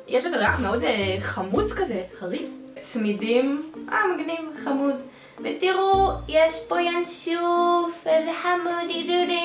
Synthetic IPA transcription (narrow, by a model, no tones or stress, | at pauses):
jɛʃot̪alaχmeodeχamut͡skazeχalit | t͡smidimʔa̰mɡnimχamud | vetiʁujeʃpojanʃufelħamudiduɾi